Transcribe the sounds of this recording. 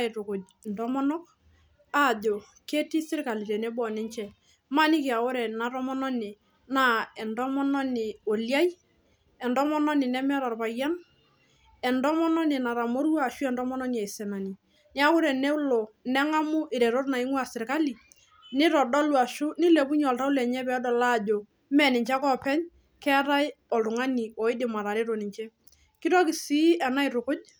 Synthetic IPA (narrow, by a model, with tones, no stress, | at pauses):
e˨to˨ko˨ | ndɔ˦mɔ˦nɔ˦k̚ | a˦˨ʄo˨ | ke˦ti˦sɪ˦rka˨li˨ɾɛ˨nɛ˦bɔ˨nɛ˦nt͡ʃɛ˦˨ | ma˦˨nɪ˦kɪ˨a˨o˦ɾɛ˨na˨ɾɔ˦mɔ˦nɔ˦nɪ˨ | na˦ɛ˨ndɔ˦mɔ˦nɔ˦nɪ˨o˨lja˦j | ɛ˨ndɔ˦mɔ˦nɔ˦nɪ˨nɛ˦mɛ˦ɾɔ˨rpa˨ja˦n | ɛ˨ndɔ˦mɔ˦nɔ˦nɪ˨na˨ɾa˨mo˦ɾwa˦˨ʃu˦ɛ˨ndɔ˦mɔ˦nɔ˦n˨ɛ˨jsɛ˨na˨ni˨ | nɪ˦a˦kʊ˦ɾɛ˨nɛ˦lɔ˨nɛ˦ŋa˦mʊ˦ʔɪ˨ɾɛ˨ɾo˦rna˨ɪ˦ŋwa˨sɪ˨rka˦li˨ | nɪ˦ɾɔ˨dɔ˦lwa˨ʃʊ˦nɪ˦le˨pʊ˦ɲɔ˨lta˦ʊ˦lɛ˨ɲɛ˦pɛ˨˦dɔ˨la˦˨d͡ʒo˨ | mɛ˨nɪ˨ɲt͡ʃa˦kɔ˦pɛ˦ɲ | kɛ˦ɾa˦jɪ | ɔ˨ltʊ˨ŋa˦ni˨ɔ˨ɪ˦dɪ˨ma˨ɾa˨ɾɪ˦ɾo˨nɪ˨ɲt͡ʃɛ˦ | kɪ˦ɾɔ˦kɪ˨si˦ʔɛ˨na˦ɪ˨ɾʊ˨kʊ˦t͡ʃ̚